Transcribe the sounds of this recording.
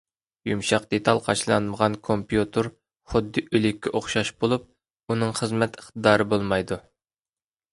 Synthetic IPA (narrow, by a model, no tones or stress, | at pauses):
jumʃɑqd̪et̪ʰɑlˠqʰɑʃlˠɑnməʁɑnkʰompjut̪ʰɨɾ | χʊd̪ːɨʔylɪkʲːɛʔoχʃɑʃbolˠup̚ | unɨŋχəzmɛt̪əχt̪ɨd̪ɑːɾɨbolˠmɑjd̪u